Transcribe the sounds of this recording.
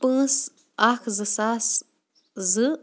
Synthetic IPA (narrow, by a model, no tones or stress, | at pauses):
pɨs | axzɨsas | zɨ